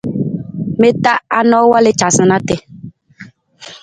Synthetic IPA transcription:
me˦ta˦a˦nɔ˦wa˦le˦t͡ʃa˨sə˨na˦tɛ˨

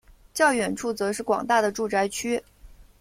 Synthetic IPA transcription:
t͡ɕjɑ˥˩ʊɥɛ˨˩nʈ͡ʂʰu˥˩t͡sɤ˧˥ʂɻ̩˥˩kwɑ̰˨˩ŋt̪a˥˩d̪ə˩ʈ͡ʂu˥˩ʈ͡ʂa˧˥ɪt͡ɕʰy˥

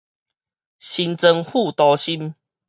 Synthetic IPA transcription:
ɕi˧nt͡sə˧ŋhu˥˧˨t̪ɔ˧ɕi˦m

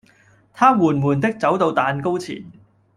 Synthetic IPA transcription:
t̪ʰaː˥wuː˨˩nmuː˨˩nt̪ɪ˥k̚t͡sɐ˨˥wt̪o˧wt̪aː˧nko˥wt͡sʰḭː˨˩n

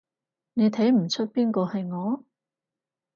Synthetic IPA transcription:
ne˨˧jt̪ʰɐ˨˥jm̩˨˩t͡ʃʰɵ˥t̚piː˥nkɔː˧hɐ˨jŋɔː˨˧

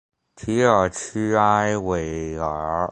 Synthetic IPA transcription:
t̪ʰi˧˥ə˨˩t͡ʃʰy˥a˥ɪwe˨˩ɪə˨˧˥

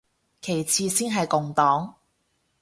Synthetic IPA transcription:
kʰe˨˩jt͡sʰiː˧siː˥nɦɐ˨jkʊ˨ŋt̪ɔː˨˥ŋ

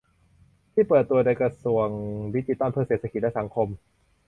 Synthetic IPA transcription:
t̪ʰiː˥˩pɤː˨˩t̪ːu˧ɐ˧da˧jkɾa˧su˨˩əŋdi˦˥t͡ɕi˧˩t̪a˥˨npʰɯː˥˩seː˨˩t̪ʰa˧ki˨˩t̪̚lɛ˦˥sa˩˦ŋkʰo˧m

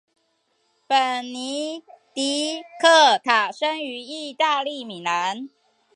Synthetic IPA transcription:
pə˨˩nni˧˥t̪i˨˥kʰɤ˥˩t̪ʰa˨˩ʂə˥ŋy˧˥i˥˧t̪a˥˧li˥˩˨mi˨˩na˧˥n

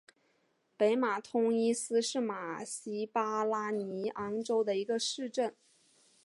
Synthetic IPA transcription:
pe˧˥ɪma˨˩t̪ʰʊ˥ŋi˥sɹ̩˥ʂɻ̩˥˩ma˨˩ɕi˥pa˥la˥ni˧˥ʔɑ˥ŋʈ͡ʂo˥ʊd̪ə˨i˧˥ɡə˧ʂɻ̩˥˧ʈ͡ʂə˥˩n

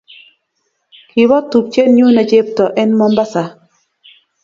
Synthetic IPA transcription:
ki˨wɔ˦t̪u˨p̚t͡ʃe˦nɲu˦na˨d͡ʒe˦p̚tɔ˨ʔɛ˦nmɔ˦mba˦sa˨

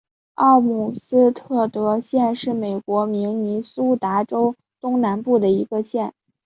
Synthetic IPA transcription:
ɑ˥˩mu˨˩sɹ̩˥t̪ʰɤ˥˩t̪ɤ˧˥ɕjɛ˥˧nʂɻ̩˥˩me˨˩ɪkwɔ˧˥mi˧˥ŋni˧˥su˥t̪a˧˥ʈ͡ʂo˥ʊ | t̪ʊ˥ŋna˧˥npu˥˩d̪ə˩i˧˥ɡə˧ɕjɛ˥˩n

